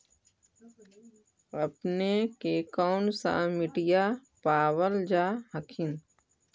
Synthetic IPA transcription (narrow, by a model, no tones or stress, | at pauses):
ɐpnekekɔːnsa̰mɪʈija | paːwəld͡ʒaːɦəkʰɪn